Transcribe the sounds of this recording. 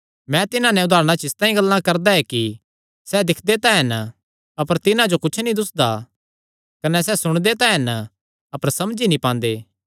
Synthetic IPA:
mɛ̃t̪ɪnãnɛ̃ʊd̪ʱaːɾəɽ̃at͡ʃɪst̪ãːĩɡɐlːãkɐɾd̪aɛki | sɛd̪ɪkʰd̪et̪ãɦɐn | ɐpəɾt̪ɪnãd͡ʒokʊt͡ʃʰnĩd̪ʊsd̪a | kɐnɛsɛsʊɽ̃d̪et̪ãːɦɐn | ɐpəɾsɐmd͡ʒinĩpãːnd̪eː

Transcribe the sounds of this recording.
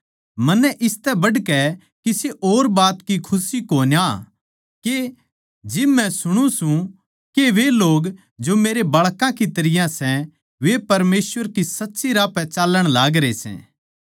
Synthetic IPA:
mɐnːɛʔɪst̪ɛbɐɖkɛ | kiseʔoːɾbaːt̪kikʰʊsikoːnja | ke | d͡ʒɪbmɛ̃sʊɽ̃ũsũ | keʋeloːɡ | d͡ʒomeːɾebɐɭkãkit̪ɐɾɪjãsɛ | ʋepɐɾmeːsʋəɾkisɐtːʃiɾaːpɛ̃t͡ʃaːlːəɽ̃laːɡɾesɛ̰̃ː

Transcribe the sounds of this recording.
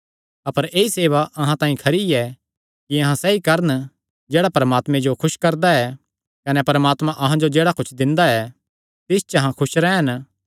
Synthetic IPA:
ɐpəɾeːiseːʋaʔɐɦãt̪ãːĩkʰɐɾiɛ | kiɐɦãsɛikɐɾən | d͡ʒeːɽapɐɾəmaːt̪mẽd͡ʒokʰʊʃkɐɾd̪aɛ | kɐnɛpɐɾəmaːt̪mãʔɐɦãd͡ʒod͡ʒeːɽakʊt͡ʃʰd̪ɪ̃nd̪aɛ | t̪ɪst͡ʃɐɦãkʰʊʃɾɛɦɐn

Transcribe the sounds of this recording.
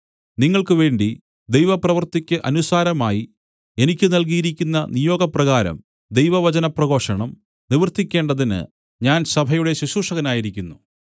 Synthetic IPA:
niŋːɐɭkɨʋe̞ːɳɖi | d̪ejʋɐprɐʋɐrt̪ikʲːɨʔɐnusaːɾɐmaːji | e̞nikʲːɨnɐlk̬ijiɾikʲːunːɐnijo̞ːɡɐprɐɣaːɾɐ̰m | d̪e̞jʋɐʋɐt͡ɕɐnɐprɐɣo̞ːʂɐɳɐm | niʋrt̪ːikʲːe̞ːɳɖɐðinɨ̰ | ɲaːnsɐbʱɐjuɽe̞ɕuɕuːʂɐɣɐnaːjiɾikʲːunːu

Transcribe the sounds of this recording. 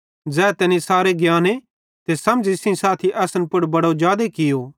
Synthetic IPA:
d͡ʒɛːt̪ɛːnisaːɾeɡjaːne | t̪esɐmd͡ʒɪsɪ̃ĩsaːt̪ʰiʔɛːsnpʊɽbɐɽod͡ʒaːd̪ekɪjo

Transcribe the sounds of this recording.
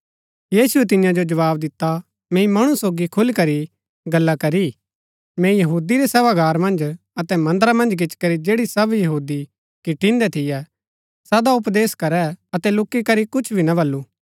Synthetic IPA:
jiːsuɛt̪̬ɪjãd͡ʒod͡ʒɐʋaːbd̪ɪt̪ːa | mɛ̃ːĩmɐɽ̃usoːɡikʰʊlkɐɾi | ɡɐlːakɐɾi | mɛ̃jɐɦuːd̪iɾɛsɛːʋaɡaːɾmɐ̃nd͡ʒ | ɐt̪ɛmɐ̃nd̪ɾamɐ̃nd͡ʒk̬ɪt͡ʃkɐɾid͡ʒeːɽisɐbjɐɦuːd̪i | kiʈːɪ̃nd̪ɛt̪ʰɪjɛ | sɐd̪aʊpd̪eːskɐɾɛɐt̪ɛlʊkːikɐɾikʊt͡ʃʰbʱinɐbɐlːu

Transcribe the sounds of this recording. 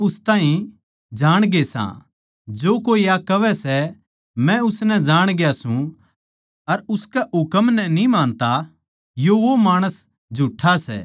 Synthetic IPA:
ʊst̪aːɦĩ | d͡ʒaːɽ̃ɡesã̰ | d͡ʒoːkoːijakɐʋɛsɛ | mɛ̃ʊsnɛd͡ʒaːɽ̃ɡjasũ | ɐɾʊskɛʊkəmnɛnĩmãːnt̪a | joʋomaːɽ̃əs | d͡ʒʱuʈʰːasɛ̰ː

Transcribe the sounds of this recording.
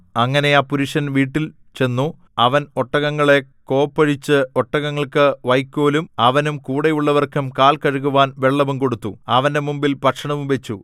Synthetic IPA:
ɐŋːɐne̞aːpuɾuʂɐnʋiːʈːil | t͡ɕe̞nːu | ɐʋɐno̞ʈːɐɣɐŋːɐɭe̞ko̞ːpːɐɻit͡ɕːɨoʈːɐɣɐŋːɐɭkɨʋɐjkʲːo̞ːlumɐʋɐnumkuːɽejuɭːɐʋɐrkumkaːlkɐɻuɣuʋaːnʋe̞ɭːɐʋumko̞ɽut̪ːuɐʋɐnde̞mumbilpɐkʂɐɳɐʋumʋe̞t͡ɕːu

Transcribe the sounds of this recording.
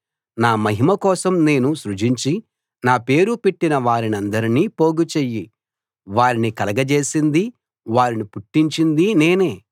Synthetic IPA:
naːmɐɦimɐkɔːsɐmne̞ːnuʃɾut͡ʃiɲt͡ʃi | naːpe̞ːɾupeʈːinɐʋaːɾinɐnd̪ɐɾiniːpo̞ːɡut͡ʃejːi | ʋaːɾinikɐlɐɡɐt͡ʃe̞ːsind̪i | ʋaːɾinipuʈːiɲt͡ʃind̪ine̞ːne̞ː

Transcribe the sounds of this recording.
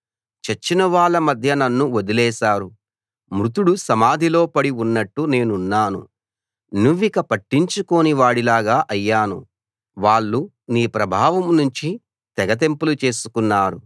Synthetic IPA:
t͡ʃɐt͡ʃːinɐʋaːɭːɐmɐd̪ʱjɐnɐnːuod̪ilɛːʃaːɾu | mɾut̪uɽusɐmaːd̪ʱilo̞ːpɐɽiunːɐʈːune̞ːnunːaːnṵ | nuʋːikɐpɐʈːiɲt͡ʃuko̞ːniʋaːɽilaːɡaːʔɐjːaːnṵ | ʋaːɭːu | niːpɾɐbʱaːʋɐmnuɲt͡ʃi | t̪ɛɡɐt̪̬e̞mpulut͡ʃe̞ːsu̥kunːaːɾu

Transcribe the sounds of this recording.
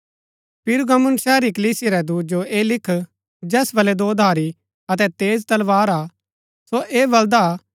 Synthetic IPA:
pʰɪɾɡɐmʊ̃nsɛːɾikɐliːsɪjaɾɛd̪uːt̪̚d͡ʒoeːlɪkʰ | d͡ʒɛːsbɐlɛd̪oːd̪ʱaːɾi | ɐt̪̬ɛt̪eːzt̪ɐlʋaːɾa | soʔeːbɐld̪a

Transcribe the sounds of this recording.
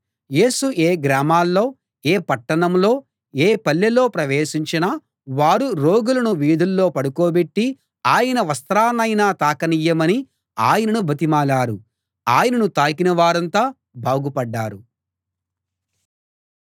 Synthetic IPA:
je̞ːsuʔeːɡɾaːmaːlːo̞ː | eːpɐʈːɐɳɐmlo̞ː | eːpɐlːɐlo̞ːpɾɐʋeːʂiɲt͡ʃina | ʋaːɾuɾoːɡulɐnuʋiːd̪ʱulːo̞ːpɐɽukoːbeʈːi | aːjɐnɐʋɐst̪ɾaːnɐjnaːt̪aːkɐnijɐmɐni | aːjɐnɐnubʱɐt̪̬imaːlaːɾu | aːjɐnɐnut̪aːkinɐʋaːɾɐnt̪aː | baːɡupɐɖːaːɾu

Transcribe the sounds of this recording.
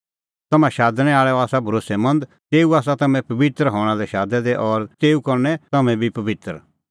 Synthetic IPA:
t̪ɐmãʃaːd̪ñɛaːɭɛɔaːsabʱɐɾoːsemɐ̃nd̪ | t̪eːuaːsat̪ɐmɛ̃pɐʋɪt̪ɾɦɔːɽ̃alɛʃaːd̪ɛd̪ɛʔɔɾt̪eːukɐɾnɛt̪ɐmɛ̃bʱipɐʋɪt̪ɾ

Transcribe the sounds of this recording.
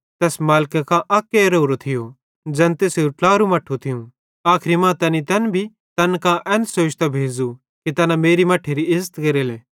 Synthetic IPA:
t̪ɛːsmaːlkɐkãʔɐkːeɾoːɾot̪ʰɪjo | d͡ʒɛ̃nt̪eːseuʈlaːɾumɐʈʰːut̪ʰɪjũ | aːkʰɪɾimãt̪ɐnit̪ɐnbʱi | t̪ɐnkãʔɛ̃ːnsoːt͡ʃt̪abʱeːd͡zu | kit̪ɐnãmeːɾimɐʈʰːeɾiɪzt̪kɐɾeːleː

